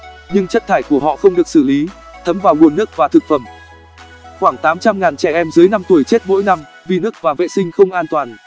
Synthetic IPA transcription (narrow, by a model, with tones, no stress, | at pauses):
ɲɨ˧ŋt͡ɕə˦˥t̚t̪ʰaː˧˩jku˧˩əɦɔ̰˧˨xə˧wŋ͡mɗɨ˨˩ək̚sɨ˧˩li˨˦ | t̪ʰə˨˦mvaː˨˩wŋu˨˩ənːɨ˦˥ək̚vaː˨˩t̪ʰɨ˨˩k̚fə˧˩m | xwaː˧˩ŋt̪aː˨˦mt͡ɕa˧mŋaː˨˩nt͡ɕɛ˧˩ʔɛ˧mzɨː˨˦jna˧mt̪u˧˩əjt͡ɕe˦˥t̚mo̰˧˥jna˧m | vi˨˩nɨ˦˥ək̚vaː˨˩vḛ˧˨sï˧ŋ̟xə˧wŋ͡mʔaː˧nt̪waː˨˩n